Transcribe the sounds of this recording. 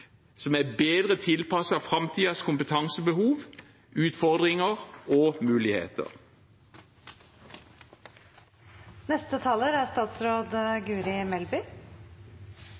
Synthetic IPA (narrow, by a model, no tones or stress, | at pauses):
sɔmæbeːd̪ʁət̪ʰɪlpʰɑsɑfʁɑmt̪ʰiːɑskʊmpət̪ʰɑŋsəbəhuːʋ | ʔʉːt̪fɔʁd̪ʁɪŋəʁoːmʉːlɪhḛːt̪ʰə̰ʁ | nɛst̪ət̪ʰɑːləɾæst̪ɑːt̪sɾoːd̪ɡʉːɾɪmɛlbʏ